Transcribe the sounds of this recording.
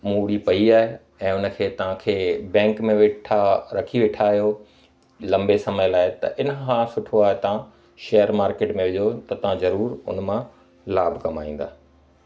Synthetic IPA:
muːɽipɐiaːɦe | ɛ̃ːʊn̆kʰeːt̪ɐʋ̤ãkʰeːbɛ̃ːŋkmẽʋɪʈʰaɾɐkʰiʋɪʈʰaːɦijo | lɐ̃mbesɐməjlaːɪt̪ɐ̰ʔɪnəɦãsʊʈʰoaːɦet̪ɐʋã | ʃejəɾmaːɾkeːʈmẽʋɪʄot̪ɐt̪ɐʋ̤ãzɐɾuːɾʊ̰n̤mã | laːbʱkɐmaːĩːn̆d̪aː

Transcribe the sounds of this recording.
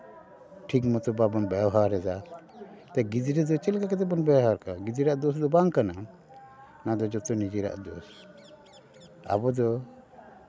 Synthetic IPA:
ʈʰikmɔt̪ɔbabɔnbɛjɔɦaɾɛd͡ʒa | t̪ɛ̃ɡid͡ʒiɾɛd̪ɔt͡ʃɛlkakɛt̪̬ɛbɔnbɛjɦaɾkaɡid͡ʒiɾaʔd̪ɔs̬d̪ɔbaŋkana | nad̪ɔd͡ʒɔt̪ɔnid͡ʒɛɾa̰ʔd̪ɔs | a̰bɔd̪ɔ

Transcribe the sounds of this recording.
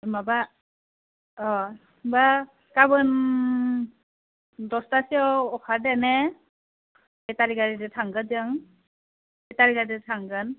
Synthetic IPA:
maba | ɔ | ba | kabɯn | dɔstasiɔɔkʰadɛnɛ | ɛjtaɹiɡaɹidɛtʰaŋɡadɯŋ | ɛtaɹiɡaɹidɛtʰaŋɡɯn

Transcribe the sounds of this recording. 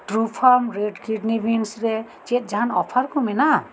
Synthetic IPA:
ʈɾupʰamɾeɖkiɖnibʱinsɾɛ | t͡ʃet̚d͡ʒaɦanɔpʰaɾkɔmɛna

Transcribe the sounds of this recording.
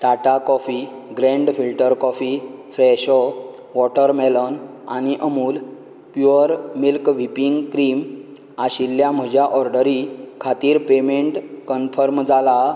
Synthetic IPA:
ʈ̪aʈakɔfiɡɾẽɳɖfilʈəɾkɔfifɾɛɕɔ | ʋɔʈəɾmɛlɔna̰ñiʔəmuːl | pjuəɾmilkʋipiŋɡkɾim | aɕilːjam̤əd͡ʑjaʔɔɾɖəɾikʰat̪iːɾpemeɳʈkənfəɾmd͡zala

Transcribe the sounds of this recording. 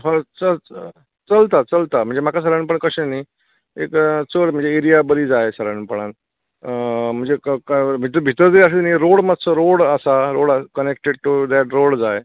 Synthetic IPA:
ɦət͡səl | t͡səlt̪at͡səlt̪am̤əɳd͡zem̤akas̬əɾəɳpəɳkəɕẽni | ekt͡səɽm̤əɳd͡zeeɾijabəɾiːd͡zajsəɾəɳpəɽ̃an | m̤əɳd͡zekbʱit̪̬əɾbʱit̪əɾd͡z̪ɾias̬eniɾoɽmat̪səɾoɽəsaɾoɽakənekʈeɖ̚ʈud̪ɛʈɾoɽd͡zaj

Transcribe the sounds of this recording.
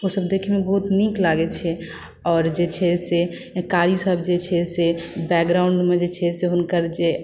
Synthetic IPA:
osəbd̪ekʰɛmebəɦut̪niklaɡɛt͡ʃʰɛ | ɔːɾd͡ʒet͡ʃʰɛse | kaɾisəbʱd͡ʒet͡ʃʰɛsebɛk̚ɡɾaʊ̃ɳɖmed͡ʒet͡ʃʰɛseɦunkəɾd͡ʒe

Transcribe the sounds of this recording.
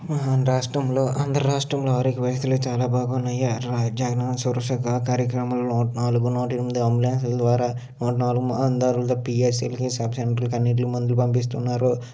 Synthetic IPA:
anɾaːʂʈɾɐmloːʔɐnd̪ɐɾɐɾaːʂʈɾɐmloɐʋɐɾɐkiʋɐjt̪uleːt͡ʃaːlaːbaːɡoːnːɐjaɾaːd͡ʒaːɡɐnaːnsuɾɐʂɐkɐkaːɾjɐkɾɐmɐlnoːʈnaːluɡunoːʈiɾmid̪iɐmbleːns̬ɐld̪ʋaːɾaː | noːʈnaːluɡuɐnd̪aːɾult̪ɐpieselkisɐpseɳʈɾɐlkɐnːiːʈ̬lumɐnd̪ulupɐmpis̬t̪unːaːɾu

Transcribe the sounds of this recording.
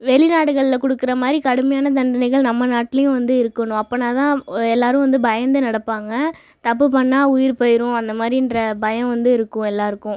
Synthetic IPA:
ʋɛɭɪnaːɽɯɣɐɭɪlɐkʊɽɯkːɪɾɐmaːd̪ɾikɐɽɯmɐjaːnɐt̪̬ɐɳɖɐnɐɪɣɐɭnɐmːɐnaːʈːɪlɐjʊ̃ʋɐnd̪ɯɪɾɯkːɐɳʊ̃ɐpːɐnaːt̪ãːɛlːaːɾɯ̃ʋɐnd̪ɯbɐjɐnd̪ɯnɐɽɐpːaːŋɡɐ | t̪ɐp̬ːɯpɐɳːaːʊjɪɾpɐjɪɾʊ̃ɐnd̪ɐmaːd̪ɾiɪndɾɐbɐjɐ̃ʋɐnd̪ɯɪɾɯkːʊ̃ɛlːaːɾɯkːʊ̃

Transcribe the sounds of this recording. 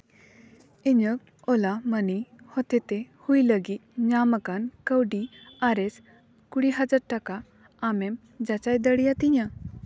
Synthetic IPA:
iɲək̚ | ɔlaməni | hɔt̪et̪ehujləɡiɲaməkankəwɖiaɾes | kuɽiɦəd͡zaɾʈakaː | mem | d͡ʑat͡ɕajd̪əɽijat̪iɲa

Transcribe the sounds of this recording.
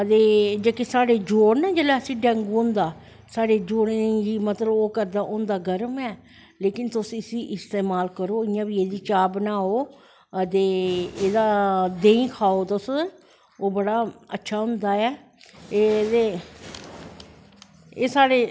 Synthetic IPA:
ət̪eːd͡ʒeːkesaːɽeːd͡ʒoːɽnɛːd͡ʒeːlɛːəsĩːɖɛ̃ːŋɡʊnd̪aː | saːɽeːd͡ʒoːɽeɡiːmət̪ləboːkəɾd̪aːʔʊnd̪aːɡəɾmɛː | leːkɪnt̪ʊssiːʔɪst̪eːmaːlkəɾoːɪjãːbiːeːd̪iːt͡ʃaːbnaːoː | ət̪eːeːd̪aːd̪ẽːĩːkʰaːoːt̪ʊs | oːbəɽaːətːʃʰaːɦʊ̃nd̪aːɛː | eːeː | eːsaːɽeː

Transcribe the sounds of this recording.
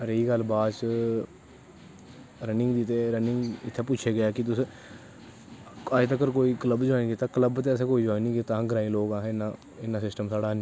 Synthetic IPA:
ɾəiːɡəlbaːd̪t͡ʃ | ɾənɪŋɡd̪iːt̪eːɾənɪŋɡɪt̪ʰːeːp̬ʊt͡ʃʰeːɡɪaːkɪt̪̬ʊs | aet̪̬əkəɾkoːiːkələbd͡ʒʋaːniːɡeːt̪ãːkələbt̪eːəs̬ẽːkoːiːd͡ʒaːniːket̪ãːɡəɾaːĩːloːɡãːɪnãː | ɪnːãːsɪsʈəmsaːɽaːnĩ

